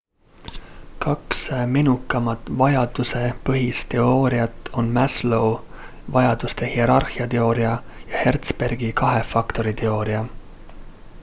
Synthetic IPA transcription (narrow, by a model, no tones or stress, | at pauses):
kɑksminukːˑɑmɑt̪ːˑvɑjɑd̪use̞pɤɦist̪e̞o̞ːɾiɑt̪ːˑo̞nmæslow | vɑjɑd̪̥ust̪e̞hie̞ɾɑrhiɑt̪e̞o̞ːɾiɑ | jɑhe̞rt̪spe̞rɡ̥ikɑɦe̞fɑkt̪o̞ɾit̪e̞o̞ːɾiɑ